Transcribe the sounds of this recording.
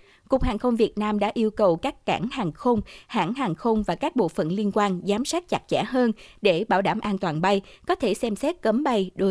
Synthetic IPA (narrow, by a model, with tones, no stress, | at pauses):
ku˨˩k̚haː˨˩ŋxə˧wŋ͡mvi˨˩ət̚naː˧mɗa̰ː˧˥ʔi˧əwkə˨˩wkaː˦˥kːa̰ː˧˩nhaː˨˩ŋxə˧wŋ͡mha̰ː˧˥nɦaː˨˩ŋxə˧wŋ͡mvaː˨˩kaː˦˥k̚ɓo̰˧˨fə̰˧˨nli˧ənkwaː˧nzaː˨˦msaː˦˥t̚t͡ɕa˨˦˩t̚t͡ɕa̰ː˧˩ɦəː˧nɗe˧˩ɓaː˧˩wɗa̰ː˧˩mʔaː˧nt̪waː˨˩nɓa˧jkɔ˨˦t̪ʰe˧˩sɛ˧msɛ˦˥t̚kə˨˦mɓa˧jɗo˨˦